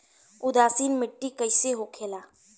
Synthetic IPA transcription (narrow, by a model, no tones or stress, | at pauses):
ʊd̪aːsiːnmɪʈːikəɪseɦoːkʰeːlaː